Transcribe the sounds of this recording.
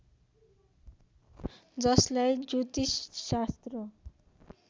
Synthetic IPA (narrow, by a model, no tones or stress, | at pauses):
d͡zʌslajd͡zut̪isːast̪rʌ